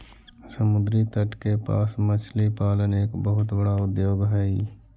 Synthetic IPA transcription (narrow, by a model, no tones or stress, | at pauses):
səmʊd̪ɾit̪əʈkepa̰ːsmət͡ʃʰlipaːləneːkbəɦʊt̪bəɽaʊd̪joːɡɦɛːi